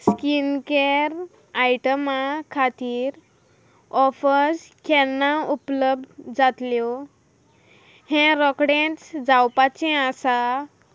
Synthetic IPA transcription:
skinkeɾ | ajʈəmakʰat̪iːɾ | ɔfəskɛnːaupləb̚d̪d͡zat̪ljɔ | hẽɾɔkɽẽt͡sd͡zawpat͡sɛ̃asa

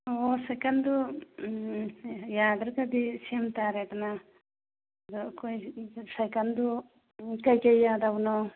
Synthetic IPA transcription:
ɔsajkand̪u | jad̪ɾkad̪isiamt̪aɾɛt̪ana | d̪ɔkɔjsajkand̪u | kajkajːad̪awnɔ

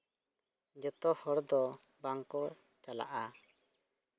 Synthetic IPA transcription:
d͡ʒət̪ɔhɔɾd̪ɔ | baŋkɔ | t͡ʃala̰ʔa

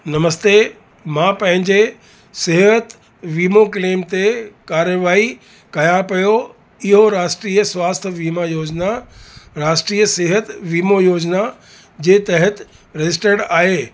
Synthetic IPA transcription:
nɐməst̪eː | mãːpɐ̃ɦɪ̃ɲd͡ʑe | sɪɦət̪ | ʋiːmokleːmt̪ekaːɾjəʋaːi | kɐjãpɐjo | ɪɦoɾaːʃʈɾiːəsʋaːst̪ʰəʋiːmajoːd͡ʑnaɾaːʃʈɾiːəseɦət̪ʋiːmojoːd͡ʑna | d͡ʑeːt̪ɐɦət̪ | ɾɐd͡ʑɪs̬ʈeːɽaːɦeː

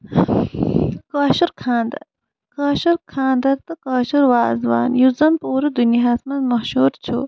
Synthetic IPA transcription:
kaːʃuɾkʰaːnd̪ɐ̰ | kaːʃɐɾkʰaːnd̪ɐɾt̪ɐkaːʃuɾwaːzʋa̰ːnjuzɐnpuːɾɐd̪unjiɦɐsmɐnmɐhʃuːɾt͡ʃʰṵː

